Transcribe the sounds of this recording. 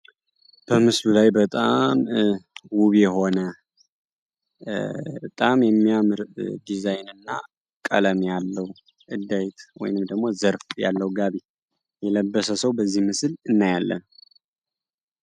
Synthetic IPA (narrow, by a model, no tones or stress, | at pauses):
b̥əmɨslulajbət̪ʼam | wuβɛɦo̞nə | bət̪ʼamjɛmːijamɨɾd̪izajnɨnːa | kʼə̰ləmjalːəw | ʔɨd̪ːajt̪ʰwɔ̰jnɨmd̪əɡmo̞zəɾfja̰lːəwuɡaβi | jɛləbːəsəsəwbəzːihmɨsɨlɨnːajalːə̰n